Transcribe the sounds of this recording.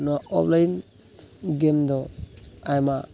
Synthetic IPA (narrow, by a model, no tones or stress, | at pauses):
nuaɔplajin | ɡemdɔajma